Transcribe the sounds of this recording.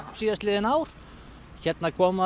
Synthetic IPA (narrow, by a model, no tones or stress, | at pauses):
siðast̪lɪːðɪnaːwɾ̥ | çɛt̪̚nakʰɔːma